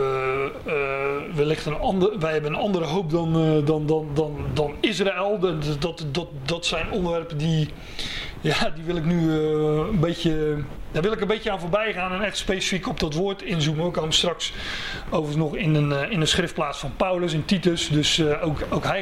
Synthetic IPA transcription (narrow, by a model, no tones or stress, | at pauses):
ʋəlɪxtənɑnəʋəjɦɛbənənɑndəɾəɦowp̚dɔndɔndɔndɔndɔnɪs̬raɛlˠɔtdɔtdɔtsɛjnɔndəʋɛrpədi | jadiʋɪlˠɪknyəənbejcəd̥aːrʋɪlˠɪkənbejcəaːnvoːrbɛjχaːnɛnɛχtspejsi̥fikopdɔtʋʊːrtɪnzuməowkamstrɑks | oːvərəsnɔχɪnənɪnəsχrɪftplaːsfɔnpawləs̬ɪntitəsdøsowkowkɦɛ